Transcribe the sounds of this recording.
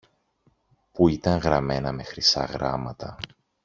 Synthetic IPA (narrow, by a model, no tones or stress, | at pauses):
puit̪ɐŋɣɾɐme̞nɐme̞xɾisɐ̰ɣɾɐmɐt̪ɐ